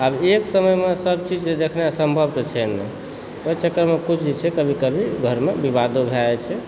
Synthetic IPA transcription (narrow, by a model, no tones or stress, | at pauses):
abeksəməjmesəbt͡ʃid͡ʒd̪ekʰneasəmbʱəbt̪t͡ʃʰɛne | ət͡ʃəkːəɾmekut͡ʃʰd͡ʒet͡ʃʰɛkəbʱikəbʱiɡʱəɾmebibad̪obʱeaet͡ʃʰɛ